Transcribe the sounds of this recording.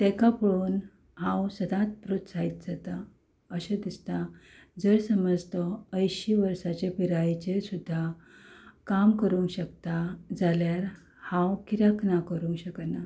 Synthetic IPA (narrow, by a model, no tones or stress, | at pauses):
t̪ɛ̃kapəɭuːn | ɦãwsəd̪ãt̪̚pɾot̪sait̪d͡zat̪a | əɕəd̪ist̪a | d͡zəɾsəməd͡zt̪ɔəjɕiʋəɾsat͡ɕepiɾajt͡ɕesud̪ʱːa | kamkəɾũŋkɕəkt̪ad͡zaljaɾ | hãwkiɾaknakəɾũŋkɕəkna